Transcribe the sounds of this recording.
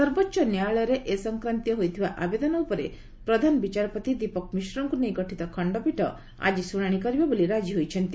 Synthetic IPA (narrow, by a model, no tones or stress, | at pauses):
sɔɾbotːʃɔnjaɭɔɾeʔesɔŋkɾant̪jɔɦojt̪ʰibaʔabed̪ɔnɔupɔɾe | pɾɔd̪ʱanɔbit͡ʃaɾɔpɔt̪id̪ipɔkɔmisɾɔŋkunejɡɔʈʰit̪ɔkʰɔɳɖɔpiʈɔ̰ | a̰d͡ʒisuɽ̃aɽ̃ikɔɾibaboliɾad͡ʒiɦojt͡ʃʰɔnt̪i